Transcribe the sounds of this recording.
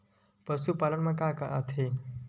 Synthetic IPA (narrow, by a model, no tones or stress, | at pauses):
pəsupalənmãkaka̰ʔa̰t̪ʰe